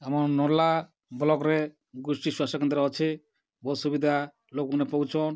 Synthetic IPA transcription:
amɔɾnɔɾla | bɔlɔkɾɛ | ɡusʈiswasɔkɔnd̪ɾɔɔt͡ʃʰe | bɔsubid̪ʱa | lokɔnɛpɔwt͡ʃʰɔn

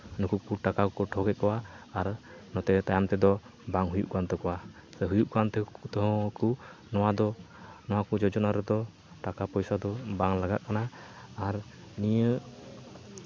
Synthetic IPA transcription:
nukuk̚puɾʈakakɔkɔʈʰɔɡɛʔkɔwaːɾnɔt̪ɛt̪ajamt̪ɛd̪ɔbaŋɦujuʔkant̪ɔkɔwa | sɛɦujuʔkant̪ɛt̪ɔɦɔ̃ku | nɔwad̪ɔ | nɔwakud͡ʒɔd͡ʒɔnaɾɛd̪ɔ | ʈakapɔjsad̪ɔbaŋlaɡaʔ̪̚kanaːɾ | nijə

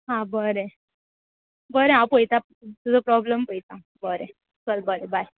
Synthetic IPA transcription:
ɦãbəɾe | bəɾẽãpəjt̪a | t̪ud͡zɔpɾɔbləmpəit̪ã | bəɾe | kəlbəɾebaj

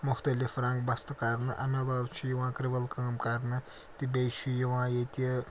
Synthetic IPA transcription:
mʊxt̪ɐlifɾaŋɡbɐst̪ɨkɐɾnɨʔɐ̰melaːbt͡ʃʰijiʋãːkɾibɐlkəːmkɐɾnɨ | t̪ibejʃʰijiʋãːjet̪ʲɐ

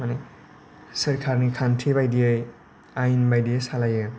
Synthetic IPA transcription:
mane | səɾkʰaɾnikʰantʰibajdiaj | ajnbajdiejsalajɯ

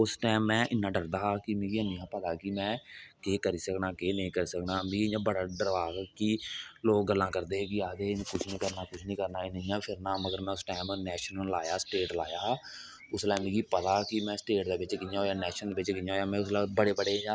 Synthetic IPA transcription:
ʊsʈɛːmːɛ̃ːʔɪnːãːɖəɾd̪aːkɪmẽːɡiəniːãːpət̪aːkimɛ̃ːkeːkəɾiːsəknaːkeːnəɦĩːkəɾiːsəknaːmĩːɡiɲd͡ʒãːbəɽaːɖəɾʋaːɡkiloːk̚ɡəlːãːkəɾd̪eːɦkiaːd̪eːɪnkʊt͡ʃʰnĩːkəɾnaːkʊt͡ʃʰnĩːkəɾnaːɪnə̃ĩːãːpʰɪɾnaːməɡəɾmɛ̃ːʊsʈɛːɪmnɛːʃənəlaːjaːsʈeːʈlaːjaː | ʊslɛːmẽːɡiːpət̪aːkɪmɛ̃ːsʈeːʈd̪eːbɪt͡ʃkɪaːɦoːjaːnɛːʃənd̪eːɪt͡ʃkɪãːɦoːjaːmɛ̃ːʊslɛːbəɽeːbəɽeːɦaː

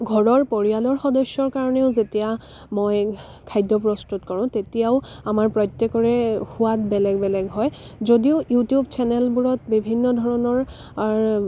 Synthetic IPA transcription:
ɡʱɔɹɔɹpoɹijalɔɹxɔdɔsjɔɹkaɹɔneʊzetija | moj | kʰajdːɔpɹɔstutkɔɹʊ̃tetijaʊamaɹpɹɔjtːɛkɔɹɛhʊwatbɛlɛɡbɛlɛɡɦɔj | zodiojutijubt͡ʃʰɛnɛlbuɹɔtbibʱinːɔdʱɔɹɔnɔɹ | ɹ

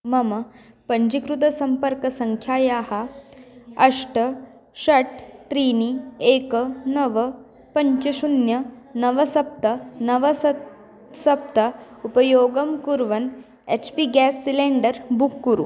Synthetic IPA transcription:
mɐmɐ | pɐɲt͡ʃikɾut̪ɐsɐmpɐɾkɐsɐŋkʰjaːjaːhɐ | ɐʂʈɐ | ʃɐʈt̪ɾiːnieːkɐnɐʋɐ | pɐɲt͡ʃɐʃunjɐnɐʋɐsɐp̚t̪ɐnɐʋɐ | sɐp̚t̪ɐ | upɐjoːɡɐmkuɾʋɐn | et͡ʃpiɡæːsːileːɳɖɐɾbukːuɾṵ

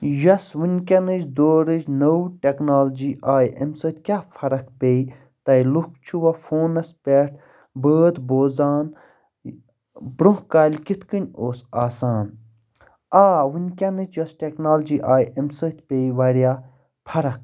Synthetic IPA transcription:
jɐsʋɨnʲkʲɐnɨt͡ʃd̪oːɾɨd͡ʒnəwʈʲeknaːld͡ʒiːʔaːjɐ̰msəːt̪̚ʲkʲjaːpʰɐɾɐkpeːj | t̪ɐjluk̚t͡ʃʰuʋɐfʰoːnɐspʲeʈ̚ʰ | bəːd̪boːzaːn | bɾõɦkaːlʲkit̪ʰkɨnʲoːsaːsaːn | aːʋɨnʲkʲɐnɨt͡ʃʰjɐsʈʲeknaːld͡ʒiːʔaːjɐmsəːt̪ʲpeːjʋɐɾjaː | pʰɐɾɐk̚

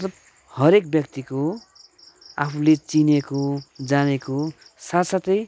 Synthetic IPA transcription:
t̪ʌ | hʌɾek̚bjʌkt̪iko | a̰pʰulet͡sinekod͡zaneko | sat̪sat̪ʌj

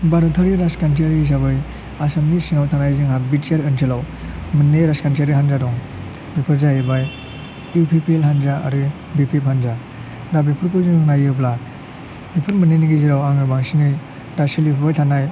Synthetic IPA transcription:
baɾutʰaɾiɾaskant̬ʰiaɾizaβɯj | asemlisiŋawtʰanajzɯŋabitaɾɯntʰilaw | mɯnːeɾaskant̬aɾihanzadɔŋ | bipʰɯɾzajibaj | upʰipʰielɦanzaa̰ɾɯ | bipʰiphanza | dabipʰɯɾkuzɯŋŋnajɯpla | bipʰɯɾmɯneniɡiziɾawaŋɯbaŋsiŋɯj | dasilipʰbajtʰanaj

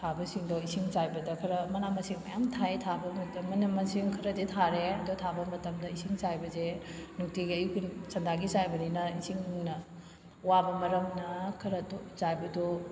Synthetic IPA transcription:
tʰabɐsiŋdɔisiŋzajbɐdɐkʰɐɾɐmɐnamɐsiŋmɐ̰jamtʰajtʰabɐmɐtmɐnɐmɐsiŋkʰɐɾɐditʰaɾeɐdutʰabɐmɐtɐmdɐisiŋzajbɐzenuk̚tiɡiɐjkʰunsɐndaɡisajbɐninɐisiŋuŋnɐ | wabɐmɐɾɐmnɐkʰɐɾɐdozajbɐdo

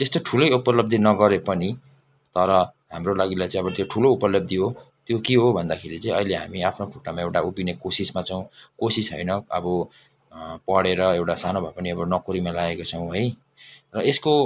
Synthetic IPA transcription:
t̪est̪oʈʰulʌjupʌlʌb̚d̪inʌɡʌɾepʌni | t̪ʌɾʌɦamrolaɡilajt͡sãĩʌbʌt̪joʈʰuloupʌlʌb̚d̪iɦot̪jokiɦobʱʌnd̪akʰeɾit͡saĩʌjleɦa̰miapʰnokʰoʈamaewʈaupinekosismat͡sʌw̃kosisɦʌ̰jnʌʌbʌ | pʌɽeɾʌewʈasanobʱapʌniʌbʌnʌkoɾimalaɡekot͡sʰʌw̃ɦʌj | rʌesko

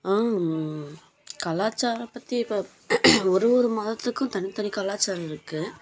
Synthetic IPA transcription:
aː | kɐlaːt͡ʃːaːɾɐpːɐt̪ːiɪpːoː | ɔɾɯʋɔɾɯmɐːðɐt̪ːɯkːʊ̃t̪ɐnɪt̪ɐnɪkɐlaːt͡ʃːaːɾɐɪɾɯkːɯ

